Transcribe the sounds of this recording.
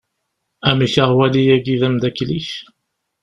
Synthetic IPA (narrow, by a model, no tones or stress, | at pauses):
æmiçəʁwælijæɡiðæmd̪ækːliç